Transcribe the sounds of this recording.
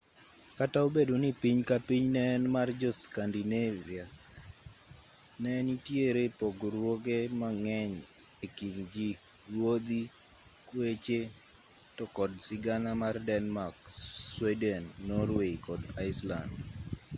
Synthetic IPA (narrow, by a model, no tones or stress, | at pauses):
kataobedonipiɲkapiɲnɛːnmard͡ʒɔskandinevia | nɛnitjeɾepɔɡoɾwoɡemaŋɛɲ | ekilɡiɾwod̪i | kwet͡ʃe | tɔkɔdsɪɡanamardɛnmakswɛdɛnːɔɾweikɔdaɪsla̰nd